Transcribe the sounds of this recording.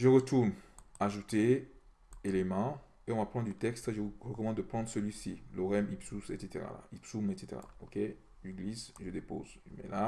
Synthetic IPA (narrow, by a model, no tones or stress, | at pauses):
ʒəʁət̪uʁnaʒut̪e | elemɑ̃ | eɔ̃vapχɑ̃d̪yt̪ɛkst̪eʒəʁəkɔmɑ̃d̪d̪əpχɑ̃nd̪ʁsəlɥisiloʁɛmipsusḛt̪set̪eʁa̰la̰ipsumet̪set̪ḛʁa̰okʲe | ʒəɡlisʒəd̪epo̰zʒmɛ̰la